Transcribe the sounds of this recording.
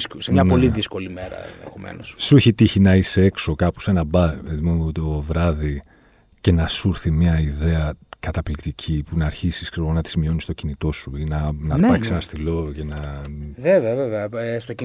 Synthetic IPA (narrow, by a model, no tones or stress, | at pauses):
semɲɐpo̞liðisko̞limeɾɐ̰ðḛxomḛnossuçit̪içinɐise̞e̞kso̞kɐpu̥senɐbɐθimumeot̪iovɾɐði | ce̞nɐsuɾθimɲɐiðe̞ɐkɐt̪ɐplikt̪icʰipunɐːɾçisi̥skseɾɣo̞nɐt̪i̥zmio̞nist̪ocinit̪o̞suinɐnɐɐkksenɐst̪ilo̞cenɐveveɐveveɐst̪oci